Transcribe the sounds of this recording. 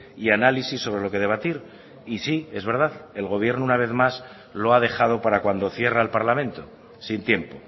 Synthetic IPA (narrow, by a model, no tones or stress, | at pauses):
ianalisisːo̞βɾe̞lo̞ke̞ðe̞β̞at̪iɾ | isie̞zβe̞ɾð̞aðe̞lɣo̞β̞je̞ɾnounaβ̞e̞θmas | lo̞aðe̞xað̞o̞paɾakwand̪o̞θje̞raelpaɾlamẽnt̪o | sint̪je̞mpo̞